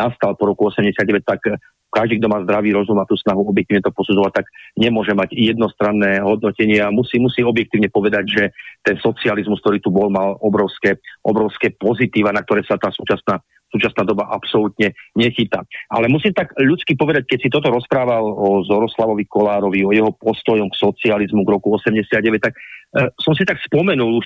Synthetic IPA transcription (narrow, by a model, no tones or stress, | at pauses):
nast̪alpɔɾɔkuɔsɛmɟɛsɪad̪ɟɛʋɛc̚t̪ak | kaʒd̪iɡd̪ɔmaːzd̪ɾaʋiːɾɔzumat̪uːsnaɦuɔbjɛk̚t̪iːʋɲɛt̪ɔpɔsud͡zɔʋat̪aɡɲɛmʊɔʒɛmaɟjɛd̪nɔst̪ɾanːɛːɦɔd̪̚nɔcɛɲɪaamusiːmusiːɔbjɛk̚t̪iːʊɲɛpɔʋɛd̪aɟʒɛt̪ɛnsɔt͡sializmuskt̪ɔɾiːt̪ubɔlmalɔbɾɔʊskɛʔɔ̰bɾɔʊskɛːpɔzit̪iːʋanak̚t̪ɔɾɛːsat̪aːsuːt͡ʃasnaː | suːt͡ʃasnaːd̪ɔbaʔapsɔlut̪ɲɛɲɛxit̪aa̰lɛmusiːmt̪aɡʎut͡skipɔʋɛd̪ac̚kɛcsit̪ɔt̪̬ɔɾɔspɾaːʋalɔzɔɾɔslaʋɔʋikɔlaːɾɔʋiɔjɛɦɔpɔst̪ɔjɔmksɔt͡sializmuɡɾɔkuɔsɛmɟɛsɪad̪̚ɟɛʋɛc̚t̪ak̚sɔmsit̪akspɔmɛnuluʃ